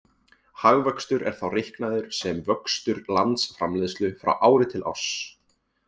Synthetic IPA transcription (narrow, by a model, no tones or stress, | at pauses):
haɣvœkst̪ʏɾɛ̰ɾ̥θawrɪhknaðʏɾ̥sɛmvœkst̪ʏɾlant̪sfɾa̰mlɪːðst̪lʏfɾa̰wʔaːwɾɪt̪ʰɪlʔɔ̰s